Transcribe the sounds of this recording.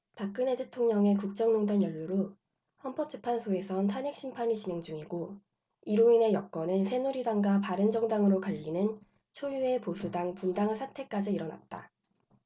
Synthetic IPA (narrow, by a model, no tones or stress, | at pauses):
pak̚k͈ɯne̞tʰe̞tʰoŋɲʌŋe̞kuk̚t͡ɕ͈ʌŋnoŋdanjʌʎːuɾo | ɸʌnp͈ʌp̚t͡ɕ͈ɯpʰansʰoe̞sʰʌntʰanɦek̚ɕ͈impʰaɲit͡ɕinɦe̞ŋd͡ʑuŋiɡo | iɾoine̞jʌk̚k͈ʌnɯnsʰe̞nuɾidaŋɡapaɾɯnd͡ʑʌŋdaŋɯɾokaʎːinɯn | t͡ɕʰojue̞posʰudaŋpundaŋsʰatʰe̞k͈ad͡ʑiːɾʌna̰t̚t͈a̰